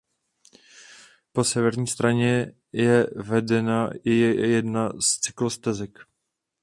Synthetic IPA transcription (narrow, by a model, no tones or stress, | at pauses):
po̞sɛvɛɾɲiːst̪ɾaɲɛ | jɛvɛdɛnajɛdnast͡sɪklost̪ɛzɛk